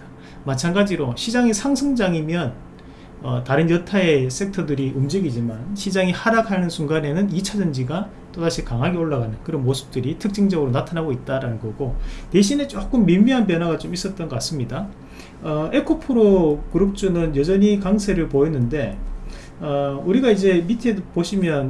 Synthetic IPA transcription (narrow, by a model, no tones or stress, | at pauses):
mat͡ɕʰanɡad͡ʑiɾoɕʰid͡ʑaŋisʰaŋsʰɯŋd͡ʑaŋimjʌn | ʌtaɾɯnjʌtʰae̞s͈ʰe̞ktʰʌdɯɾiɯmd͡ʑiɡid͡ʑimanɕʰid͡ʑaŋihaɾakʰanɯnsʰuŋɡane̞nɯnit͡ɕʰad͡ʑʌnd͡ʑiɡa | t͈odaɕʰikaŋɦaɡeoɭːaɡanɯnkɯɾʌnmosʰɯ̥p̚t͈ɯɾitʰɯk̚t͡ɕ͈iŋd͡ʑʌɡɯɾonatʰanaɡoit̚t͈aɾanɯnɡʌɡote̞ɕʰine̞t͡ɕ͈ok͈ɯmːimiɦanp̬jʌnɦaɡat͡ɕomis͈ʌt̚t͈ʌnɡʌk͈as͈ɯmɲida | ʌe̞kʰopʰɯɾokɯɾɯk̚t͡ɕ͈unɯnjʌd͡ʑʌɲikaŋsʰe̞ɾɯɭpoenːɯnde̞ | ʌuɾiɡaid͡ʑe̞mitʰepoɕʰimjʌn